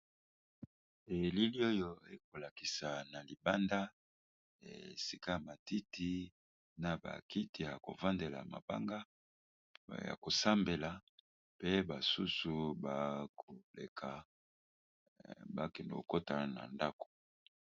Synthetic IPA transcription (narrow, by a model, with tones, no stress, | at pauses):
e˨li˦li˦o˦jo˦e˦ko˨la˨ki˨sa˨na˨li˨ba˦nda˦ | ḛ˨si˦ka˦ja˨ma˨ti˦ti˦ | na˨ba̰˨ki˦ti˨ja˨ko̰˨va˦nde˨la̰˨ma̰˨ba̰˦ŋɡa˦ | ja̰˨ko˨sa˦mbe˨la˨ | pe˦ba˨su˦su˨ba˨kʰo˨lḛ˨kʰa˨ | ba̰˦kɛ˨ndo˨o̰˨ko˦ta˦˨na̰˨nda˦ko̥˨